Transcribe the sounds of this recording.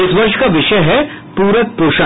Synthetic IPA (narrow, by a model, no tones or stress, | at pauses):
ɪsʋɐɾʃkaʋɪʃəjɦɛ | puːɾək̚pɾoːʃa